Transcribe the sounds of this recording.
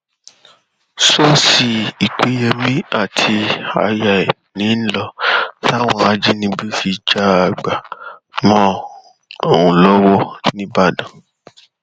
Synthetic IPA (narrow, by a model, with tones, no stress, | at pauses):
so˦si˧i˨k͡pe˨˦jɛ˧mĩ˦a˦˨tʰi˧a̰˧ja˨i˨ | nĩ˨˦n̩˦lɔ˧ta˦w̃ɔ̃˧˦a˦d͡ʒi˦nĩ˧˦bi˦fi˧d͡ʒa˦a˨ɡ͡ba˨mɔ̃˦ | o˦˨wũ˨lɔ˦wɔ˦nĩ˧ba˦˨dã˨